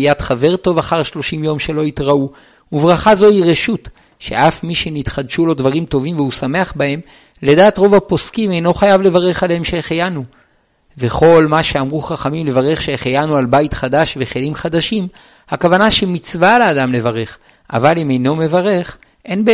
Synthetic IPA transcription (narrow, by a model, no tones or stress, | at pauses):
jatχave̞ʁto̞vaχaʁʃlo̞ʃimjo̞mʃe̞lo̞itʁau | uvʁaχazo̞iʁe̞ʃut | ʃeʔafmiʃenit̪χad̪ʃulo̞dvaʁimto̞vimvehusame̞aχbahe̞m | le̞daːtʁo̞vapo̞skime̞jno̞χajavle̞vaʁe̞χalehemʃeχejanu | ve̞χo̞lmaʃeamʁuχaχamimle̞vaʁe̞χʃeχejanualbaitχadaʃve̞χelimχad̪aʃim | hakavanaʃemit͡svalaːdamle̞vaʁe̞χ | ʔa̰valime̞jno̞me̞vaʁe̞χ | ʔe̞nbe